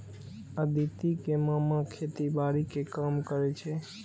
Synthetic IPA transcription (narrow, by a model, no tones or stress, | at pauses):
ad̪it̪ikemamãkʰet̪ibaɾikekamkəɾet͡ʃʰe